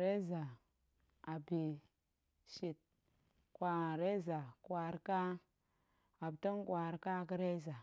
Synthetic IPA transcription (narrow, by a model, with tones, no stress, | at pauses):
ɾe˦za˨ | a˨bi˨ | ʃi˨t̚ | kwʷa˨ɾe˦za˨kwa˨ɾka˦ | a˨btə˦n˦kwa˨ɾka˦kə˦ɾe˦za˨